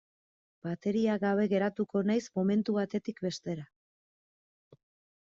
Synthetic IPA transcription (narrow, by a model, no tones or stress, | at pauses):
b̥at̪e̞ɾiaɣaβ̞e̞ɣe̞ɾat̪uko̞najsmo̞me̞nt̪uβat̪e̞t̪ikbe̞st̪e̞ɾa